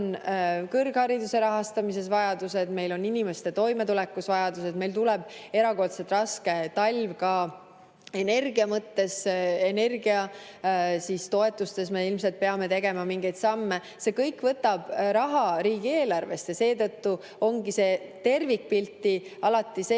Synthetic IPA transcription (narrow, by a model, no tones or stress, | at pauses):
nkɤrɡ̥hɑɾid̪use̞ɾɑɦɑst̪ɑmise̞svɑjɑd̪use̞d̪me̞jlo̞nːinime̞st̪e̞t̪o̞jme̞t̪ulɛkːˑusvɑjɑd̪use̞d̪me̞jlt̪ulɛb̥̚e̞ɾɑko̞rt̪set̪rɑske̞t̪ɑlʲvkɑ | e̞ne̞rɡ̥iɑmɤt̪ːe̞sene̞rɡiɑ | siːst̪o̞e̞t̪ːˑust̪e̞sme̞ilms̬e̞lt̪̚pe̞ɑme̞t̪e̞ɡe̞mɑmiŋɡ̥e̞jd̪sɑmːe | se̞kɤjkːˑvɤt̪ːɑb̥ɾɑɦɑɾiːɡieːlɑrve̞st̪jɑse̞ːt̪ɤt̪ːu | o̞ŋɡise̞ːt̪e̞rvik̚pilt̪ːˑiɑlɑt̪ːˑise